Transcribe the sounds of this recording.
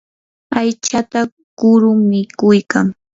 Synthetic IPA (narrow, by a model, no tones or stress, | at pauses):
ajt͡ʃat̪a | kʊɾʊmɪkʊjkaŋ